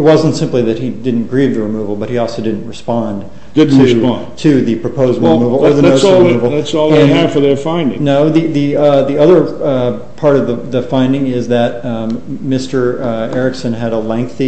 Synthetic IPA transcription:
ɨt̚wʌz̃n̩tsɪ̃mpliðɨt̚hidɪdⁿn̩ɡ̥ɹivðɨɹɨmuvl̩ˠbʌt̚hiɔlˠsoʊdɪdⁿn̩ʔ̚ɹɨspɑ̃n | d̥ɪd̩ⁿʰɹɨspɑ̃nntʰɨðɨpʰɹ̥ɨpʰoʊzəbl̩ˠmuvl̩ˠə˞ðɨoʊslˠmuvl̩ˠætsɔlˠeæ̥fə˞ðə˞fãɪ̃ndɪ̰̃ŋnoʊðiðiðiʌðə˞ | pʰɑɹɾʌvðəðɨfãɪ̃ndɪ̃ŋɪzðɨt̚mɪstə˞ɛɹɨksɨ̃nɨɾəlɛ̃ŋk̚θi

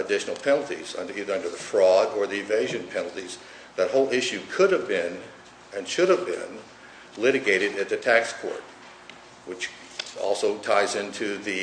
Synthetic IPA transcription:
ɨdɪʃn̩l̩ˠpʰɛnl̩ˠtḭzʌ̰̃ndiðə˞ʌ̃ndə˞ðɨfɹɔɾə˞ðiɨveɪʒɨ̃npʰɛnl̩ˠtiz | ðɨt̚hoʊlˠɪʃʉkʰʊɾɨvbɪ̃n | ɨ̃nʃʊɾəvbɪ̰̃n | lɪɾɨɡeɪɾɨɾɨt̪̚ðɨtʰækskʰɔ̰ɹt̚ | wɨt͡ʃ | ɔ̰lˠsoʊtʰaɪzɪ̃ntʰʉðɨ

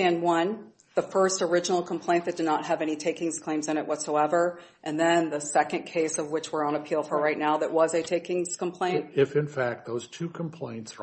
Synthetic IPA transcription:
æ̃nwʌ̃n | ðəfɜ˞stə˞ɪd͡ʒən̩l̩ˠkʰmpʰl̥ẽɪ̃nðɨt̚d̥ɨdⁿnət̚ɦɨvɛñitʰeɪkɪ̃ŋz̥kʰl̥ẽɪ̃mzɨ̃ñɨʔwʌtsoʊɛvə˞ | ʔɨ̃nðɨ̃nðɨsɛkɨ̃nkʰeɪsʌvwɨt͡ʃwəɹə̃nɨpʰilˠfə˞ɹaɪtⁿnaʊðɨʔ̚wʌzɨtʰeɪkɪ̃ŋz̥kə̃m̩pʰl̥ẽɪnɪfɨ̃nfæk̚t̪̚ðoʊz̥tʰʉkʰm̩pʰl̥ẽɪ̃nts

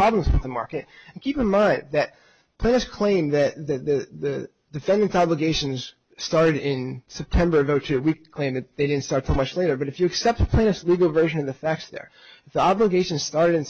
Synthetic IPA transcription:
ɹ̥ɑbl̃mzwə̰ðəmɑ̰ɹkɨt̚ɨ̃n̩kʰipɨ̃nmãɪ̃nðɨt̚ | pʰl̥ẽɪ̃nɨskʰl̥ẽɪ̃mðɨt̪̚ðɨðɨðɨ | dɨfɛ̃ndɨ̃ntsɑbləɡeɪʃɨ̃n̩z̥ | stɑɹɾɨɾɪ̃nsɛp̚tʰɛ̃mbə˞ʌvoʊtʰʉɨwikʰl̥ẽɪ̃mðɨt̪̚ðeɪɾɪdⁿn̩tstɑɹtsomʌt͡ʃleɪɾə˞bʌɾɨfjɨːksɛp̚t̪̚pʰl̥ẽɪ̃nɨsliɡl̩ˠvɜ˞ʒɨ̃nʌvðɨfæk̚sðə̰˞ | ɨfðiɑbləɡeɪʃɨ̃nz̥stɑɹɾɨɾɨ̃n

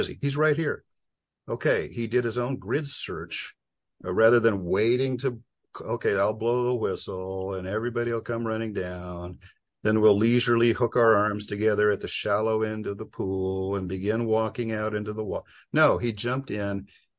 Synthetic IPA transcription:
ɪzḭhizɹaɪt̚hiɹ | oʊkʰeɪidɨd̚ɨzõʊ̃nɡɹɪdsɜ˞t͡ʃ | ɹæðə˞ðɨ̃nweɪɾɪ̃ŋtʰɨ | oʊkʰeɪaɪlˠbloʊðəwɪsl̩ˠə̃nɛvɹibɑɾil̩ˠkʰʌ̃mɹʌñɪ̃ŋdãʊ̃n | ðɨ̃nwiliʒə˞lˠihʊkaʊə˞ɑɹmz̥tʰɨɡɛðə˞ɨt̪̚ðɨʃælˠoʊɛ̃ndʌvðəpʰullˠə̃nbɨɡɪ̃nwɔkɪ̃ŋaʊɾɪ̃ntʉðəwɔ | noʊid͡ʒʌ̃mp̚tɪ̃n

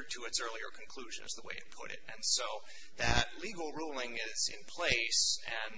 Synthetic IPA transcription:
tʰɨɨtsɜ˞lˠiə̰˞kʰn̩kʰl̥ʉʒɨ̰̃nɨ̰zðəwḛɪɨpʰʊ̰ɾɪ̰ɾɨ̃nsoʊ | ðɨtˡliɡl̩ˠɹulˠɪ̃ŋɪzɪ̰̃npʰl̥eɪsɨ̃n

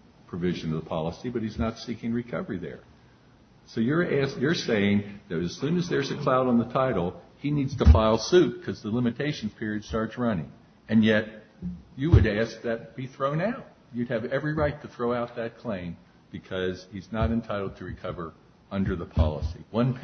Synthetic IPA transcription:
pʰɹ̥ɨvɪʒɨ̃nʌðəpʰɑ̰lˠəsibʌt̚hiznətsikɪ̃ŋɹɨkʰʌvə˞iðə̰˞ | soʊjə˞æsjə˞seɪɪ̃ŋðɨɾɨz̥sʉ̃nɨzðə˞zɨkʰl̥aʊɾn̩ðətʰaɪɾl̩ˠ | inidz̥tʰəfaɪlˠsʉt̚kʰʌzðəlɪ̃mɨtʰeɪʃn̩z̥pʰɪɹiɨd̥stɑɹtsɹʌnɪ̰̃ŋ | ɨ̃njɛt͡ʃ̚ | ɨwəɾæsk̚ðɨt̚b̥iθɹõʊ̃naʊt̚jɨd̚ɨvɛvɹiɹaɪtʰɨθɹoʊaʊt̪̚ðɨt̚kʰl̥ẽɪ̃m | b̥ɨkʰʌz̥hiznəɾɨ̃ntʰaɪɾl̩ˠd̚tʰɨɹɨkʰʌvə˞ | ʌ̃ndə˞ðəpʰɑ̰lˠə̰siwʌ̃npʰ

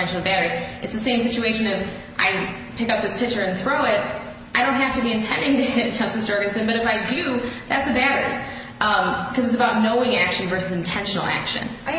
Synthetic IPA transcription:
ɛ̃nʃn̩l̩ˠbæɾə˞iʔɨtsðɨsẽɪ̃ms̬ɪt͡ʃʉeɪʃɨ̃nɪf | ʔa̰ɪ | pʰɪkʌp̚ðɪspʰɪk̚t͡ʃə˞ɨ̃nθɹoʊɪt̚ | aɪɾõʊ̃n̚ɦæftɨbiɨ̃ntʰɛ̃ndɪ̃ŋtɨd̥ʒ̥ʌstɨsd̥ɜɹɡɨ̃nsɨ̃nbʌɾɨfaɪdʉðætsɨbæɾə˞ḭ | ʔʌ̃mkʰʌzɨtsəbaʊtⁿnoʊɪ̃ŋækʃɨ̃n̩vɜ˞sɨzɨ̃n̩tʰɛ̃nʃn̩l̩ˠæ̰kʃɨ̰̃n

